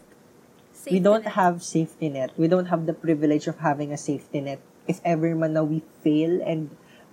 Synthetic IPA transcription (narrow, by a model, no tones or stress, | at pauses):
wid̪õnt̪̚havsejft̪inɛt̪̚widõnt̪̚ɦɐvd̪ɐpɹɪvɪlɛd͡ʒɔv̥ɦavɪ̃ŋɐseɪft̪inɛt̪̚ | ʔɪfɛvɛɹmãnːawwifeɪlɛ̃nd̪